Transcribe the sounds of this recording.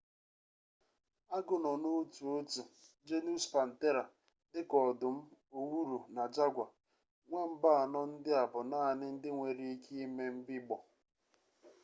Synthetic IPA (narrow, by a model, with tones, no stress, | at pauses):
a˦ɡʊ˨nɔ˨no˦tu˨o˦tu˨d͡ʒe˦nu˦spa˨n̩˨te˦ɾa˨ | dɪ˦kɔ˨dʊ˨m̩˦o˨wu˦ɾu˨na˨d͡ʒa˦ɡʷa˨ | ŋʷa˦m̩˦ba˦a˨nɔ˦n̩˦dɪ˦a˨bʊ˨naː˦˨nɪ˦n̩˦dɪ˦ŋʷe˨ɾi˦i˦ki˦i˦me˦m̩˦bɪ˦ɡ͡bɔ˨